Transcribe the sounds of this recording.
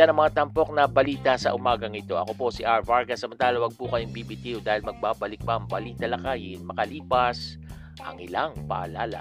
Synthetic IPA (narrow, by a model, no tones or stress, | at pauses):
anɐŋmɐŋat̪ɐmpo̞k̚nɐbɐliːt̪ɐsɐʔʊmaːɡɐŋɪt̪o̞ʔɐ̰ko̞posɪʔaɹvaɹɡɐsːɐmɐnt̪aːlɐwɐɡ̚pukɐjoŋbiːbit̪iʊd̪aːhɪlmɐɡ̚baːbɐlɪk̚bɐɐŋbɐliːt̪ɐlɐkajɪnmɐkɐliːpɐs | ʔɐ̰ŋɪlaŋpɐ̰ʔɐlaːla̰